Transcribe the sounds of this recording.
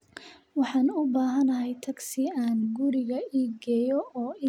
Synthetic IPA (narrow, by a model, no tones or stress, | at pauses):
wɑħɑːnʊbaːɦɐnɐɦɛjt̪ʰɐɡsɪaːnɡʊɾɪɣɐiːɡɛːjɔɔːi